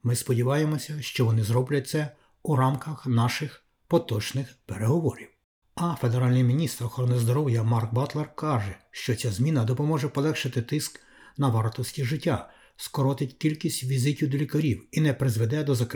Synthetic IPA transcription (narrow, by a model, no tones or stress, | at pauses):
mɪspɔdʲiʋɑjemɔsʲɐʃt͡ʃɔʋɔnɪzɾɔblʲɐt̚ʲt̪sɛ | uɾɑmkɐxnɑʃɪx | pɔt̪ɔt͡ʃnɪxpeɾe̞ɦɔʋɔɾʲiw | ɐfe̞d̪eɾɑlʲnɪjmʲinʲist̪ɾɔxɔɾɔnɪzd̪ɔɾɔwjɐmɑrk̚bɑt̪lˠɛrkɑʒɛʃt͡ʃɔt͡sʲazmʲinɐd̪ɔpɔmɔʒɛpɔlˠɛxʃɪt̪ɪt̪ɪsk | nɐʋɑrt̪ɔsʲtʲiʒɪtʲːa̰ | skɔɾɔt̪ɪtʲkʲilʲkʲisʲtʲʋʲizɪtʲiwd̪ɔlʲikɐɾʲiwinɛpɾɪzʋed̪ɛd̪ɔzɐk